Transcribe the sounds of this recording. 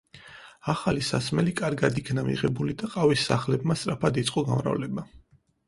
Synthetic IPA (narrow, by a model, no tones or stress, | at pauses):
aχalisa̰smɛlikʼaɾɡad̪ikʰnamḭʁɛbulid̪aqʼavisːa̰χlɛbmast̪ʼɾapʰad̪it̪sʼqʼɔɡa̰mɾa̰vlɛba